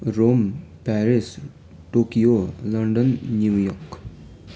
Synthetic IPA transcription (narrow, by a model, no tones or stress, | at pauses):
rompaɾis | ʈokiolandonɲujoχk